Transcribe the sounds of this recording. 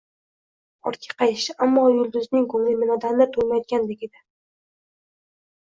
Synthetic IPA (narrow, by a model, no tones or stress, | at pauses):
ɒ̰ɾt̪̚kʲʰḁqʰɑjɪʃɪʔamːɒjʊlˠd̪ʊznɪŋkʰɵŋlɪmɪnɒd̪annat̪ʰolmajɒd̪̚ɡʲand̪ekʲed̪ɪ